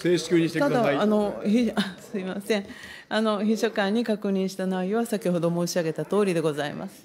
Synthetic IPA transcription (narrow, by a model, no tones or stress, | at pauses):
seːɕi̥kʲɨːɲit̪et̪ad̪aːno̞çiasɨimasẽ̞ɴ̃ | ano̞çiɕokãɲ̟ːikakɯ̟ɲ̟ĩɰ̃ɕi̥t̪anaijoβasakʲiho̞d̪o̞mo̞ːɕiaɡe̞t̪at̪o̞ːɾʲid̪e̞ɡo̞zaḭma̰sɨ̥